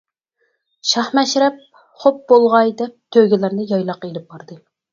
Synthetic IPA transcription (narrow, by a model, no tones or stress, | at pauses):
ʃɑχmɛʃɾɛp̚ | χop̚bolˠʁɑjd̪ɛp̚t̪ʰøɡʲɪlæɾnɪjɑjlˠɑqelɪp̚b̥ɑɾd̪ɨ